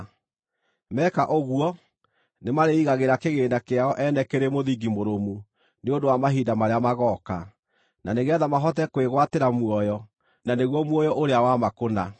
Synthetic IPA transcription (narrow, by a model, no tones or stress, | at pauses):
mɛkaʔoɣuwɔ | nemaɾeiɣaɣeɾakeɣeːndakeaɔʔɛnɛkeɾemoðiɡimoɾomu | neondowamaɦiːdamaɾeamaɣɔka̰ | naneɣɛðamaɦɔtɛkweɣwateɾamwɔjɔ | naneɣwɔmwɔjɔʔoɾeawamakona